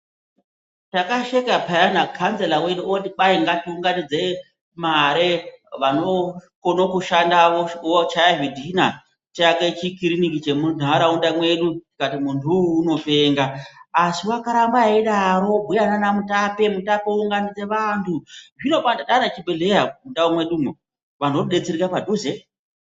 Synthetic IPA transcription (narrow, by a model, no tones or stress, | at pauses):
takaʃekapajanakʰanzelawe̞ɗuotiɓaiŋɡatiuŋɡanid͡ze̞ | maɾeʋanokonokuʃandaowot͡ʃajaɦidʱina | t͡ʃaket͡ʃikiɾinikit͡ʃe̞mun̤aɾaundamwe̞ɗutikatimuntʰuːno̞fe̞ːŋɡaːsiwakaɾambaiɗaɾo̞bʱujananamutape̞mutapeuŋɡanid͡ze̞ʋantʰuʐino̞pataɗanat͡ʃibeɮejaundaumwe̞ɗumo | ʋan̤o̞ɗe̞t͡seɾikapadʱuze